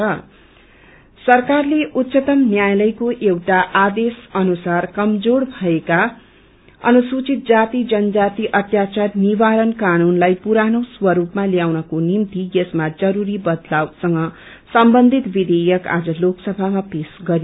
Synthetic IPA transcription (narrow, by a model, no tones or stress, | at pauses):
ʌ | sʌrkarleʔut̪ːsʌt̪ʌmnjajlʌjkoʔewʈaʔad̪esʌnusarkʌmd͡zoɽbʱʌeka | ʌ̰nusut͡sit̪̚d͡zat̪id͡zʌnd͡zat̪iʔʌt̪jat͡sarniβaɾʌnkanunlajpuɾanoswʌɾupmaljawnʌkonimt̪ijʌsmad͡zʌɾuɾibʌd̪lawsʌŋɡʌ | sʌmbʌnd̪ʱit̪bid̪ejʌka̰d͡zʌloksʌbʱamapesɡʌɾ